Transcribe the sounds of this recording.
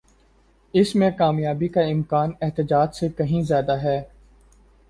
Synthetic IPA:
ɪsmẽkaːmjaːbikaɪmkaːnɛɦt̪ɪd͡ʒaːd͡ʒsekɐɦĩzjaːd̪aɦɛː

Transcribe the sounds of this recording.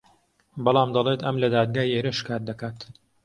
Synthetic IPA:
bɑlˠɑːmd̪ɑlˠeːt̪ɐmlɐd̪aːd̪̚ɡaːjeːɾɨʃkaːɾd̪ɐkaːt̪

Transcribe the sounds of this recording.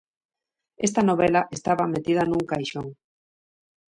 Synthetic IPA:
est̪anoβ̞elaʔest̪aβamet̪iðanuŋkajʃoŋ

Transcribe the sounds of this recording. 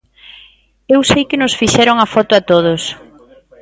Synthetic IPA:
ewsejkɪnʊsfiʃɛɾʊŋafɔt̪ʊat̪oð̞ʊs

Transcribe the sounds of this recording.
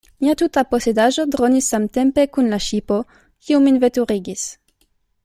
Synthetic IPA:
miat̪ut̪aposed̪aʒod̪ʁonisːamt̪empekunlaʃipo | kiuminvet̪uʁiɡis

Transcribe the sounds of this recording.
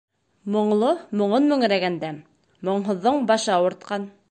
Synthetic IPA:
mŏɴlˠomŏɴonmɵ̆ŋ̆ɾæɡænd̪æ | mŏɴɦŏðːoɴbɑʃɑwŏɾt̪̚qɑn

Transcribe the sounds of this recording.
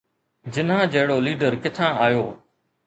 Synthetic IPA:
d͡ʒɪnãːd͡ʒəɦɪɽoːliːɖəɾkɪt̪ʰãːaːjoː

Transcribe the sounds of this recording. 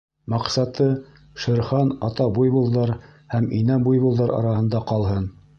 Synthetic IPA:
mɑqsɑt̪ɤ | ʃɘ̆ɾχɑnɑt̪ɑbujbulˠdɤɾhæminæbujβulˠd̪ɤɾɑ̰ɾɑhɤ̆nd̪ɑqɑlˠɦɤn

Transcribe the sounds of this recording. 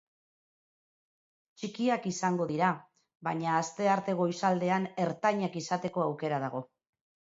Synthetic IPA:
t͡ʃikiakisaŋɡo̞ðiɾa | βaɲaːst̪e̞aɾt̪e̞ɣo̞jsald̪e̞ane̞ɾt̪aɲakisat̪e̞ko̞awke̞ɾað̞aɣ̞o̞

